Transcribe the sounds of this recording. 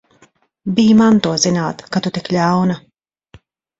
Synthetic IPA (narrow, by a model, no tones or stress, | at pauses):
biːmant̪uɔzinaːt̪kat̪ut̪iklʲawnɐ